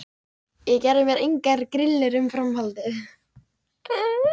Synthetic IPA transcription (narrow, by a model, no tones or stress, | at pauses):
jɛɣcɛɾðɪmjɛɾejŋkaɾkɾɪlːɪɾʏmfɾamhalt̪ɪ